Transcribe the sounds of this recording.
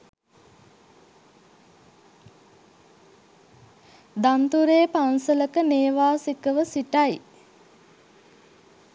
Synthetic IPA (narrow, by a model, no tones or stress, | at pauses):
d̪ant̪uɾeːpansələkəneːʋaːsikəʋəsiʈaj